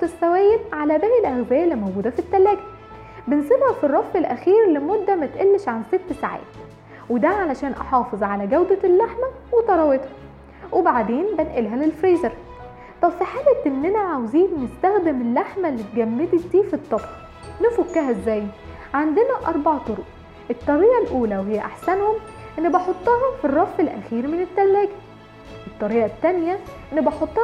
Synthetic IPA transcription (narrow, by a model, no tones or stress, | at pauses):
t̪esːæwæːjːed̪ʕalæbæːjelʔæɣzæːjælːimowɡuːd̪æfit̪ːælːæːɡæ | bensebhæfirˤːɑfelʔæxiːɾlemod̪ːæmæt̪ʔelːeʃʕanset̪ːsaʕa̰ːt̪ | wed̪æʕalæʃæːnʔɑ̰ħɑːfezˤʕalæɡæwd̪ælːaħmæ | wet̪ɑɾˤɑwet̪hɑ | webaʕd̪eːnbenʔelɦælelfɾiːzæɾ | t̪ˤɑbfeħaːlæt̪ʔenːʔænæʕawziːnnest̪æxd̪emelːaħmælːet̪̚ɡæmːet̪id̪iːfit̪ˤːɑb | nefokːæɦæʔezːæːj | ʕand̪enæʔɑɾˤbɑʕt̪ˤoɾoʔ | ʔet̪ˤːɑɾiːʔælʔuːlæweɦejːæʔaħsænhom | ʔenːbɑħot̪ˤːɑɦɑfirˤːɑfːelʔæ̰xiːɾmenet̪ːælːæːɡi | ʔet̪ˤːɑɾiːʔæt̪ːænjæʔenːbɑħot̪ˤːɑ